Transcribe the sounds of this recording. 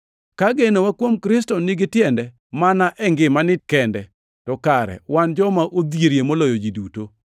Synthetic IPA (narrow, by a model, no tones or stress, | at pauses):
kaɡenowakwomkɾɪs̬tɔnɪɡɪtjɛndɛ | manaʔɛŋɡɪmanɪkɛndɛ | tɔkaɾɛ̰wand͡ʒɔmaʔod̪jeɾjemolɔjod͡ʒiduto